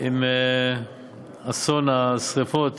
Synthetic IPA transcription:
im | asonasʁefot̪

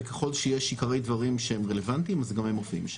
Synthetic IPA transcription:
keχo̞lʃejeʃikaʁe̞jd̪vaʁimʃehemʁe̞le̞vant̪imazɡamhemofḭmʃ

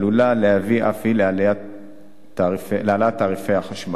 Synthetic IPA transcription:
lulalehaviʔafhilealea | t̪felealaat̪aːʁifejhaχaʃma

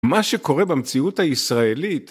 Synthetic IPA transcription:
maʃeko̞ʁebemt͡siuthaisʁaelit

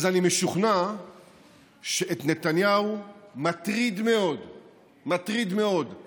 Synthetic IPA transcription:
zanimeʃuχna | ʃeʔet̪net̪anjaumat̪ʁid̪me̞o̞d̪ | mat̪ʁid̪me̞o̞d̪

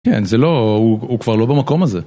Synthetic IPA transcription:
kɛ̰nzelohuukv̥aʁlo̞bemako̞maze

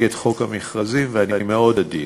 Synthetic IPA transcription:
ɡet̪χo̞khamiχʁazimveaniameo̞d̪ad̪i

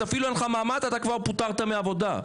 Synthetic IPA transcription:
afiluenχamaːmat̪at̪akvaʁput̪aʁt̪ameavo̞d̪a

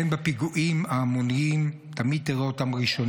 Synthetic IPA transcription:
embepiɡuʔimaːmoniim | t̪amid̪̚t̪eʁaot̪amʁiʃon

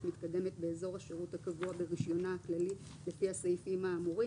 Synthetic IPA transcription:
mit̪kade̞met̚be̞ːzo̞ʁhaʃeʁuthakavuabeʁiʃjo̞naːklali | le̞fihasejifimaːmuʁi

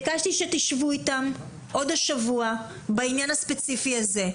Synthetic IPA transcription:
ɡaʃt̪iʃet̪iʃvuit̪am | ʔo̞daʃavua | bainjanaspet͡sifiaze̞

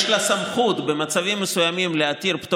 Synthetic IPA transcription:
lasamχut̪be̞mat͡savimːesujamimleat̪iʁpt̪u

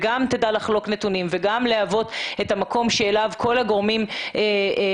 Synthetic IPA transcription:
ɡamt̪edalaχlo̞knetunimveɡamleavo̞tetamako̞mʃeːlavkʰo̞laɡo̞ʁmime

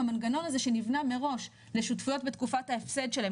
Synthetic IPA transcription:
amanɡano̞naze̞ʃe̞nivname̞ʁo̞ʃ | le̞ʃutfujo̞tbet̪kufathaefse̞dʃele

